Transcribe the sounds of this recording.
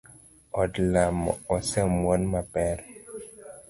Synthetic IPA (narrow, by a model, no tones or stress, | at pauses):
ɔdlamɔ̰ɔsɛmwɔnmapɛɾ